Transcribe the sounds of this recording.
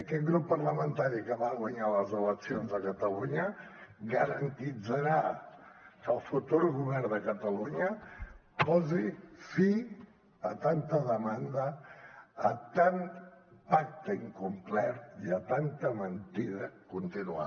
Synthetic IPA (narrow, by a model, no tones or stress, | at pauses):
əkɛt̪̚ɡɾupːəɾləmənt̪aɾikəβaɣwəɲaləzələksionzðəkət̪əluɲəɣəɾənt̪id͡zəɾa | kəlˠfut̪uɾɣuβɛɾd̪əkət̪əluɲə | pɔzifi | ət̪ant̪əðəmand̪əː | t̪ant̪pak̚t̪əiŋkumplɛt̪iət̪ant̪əmənt̪iðəkunt̪inua̰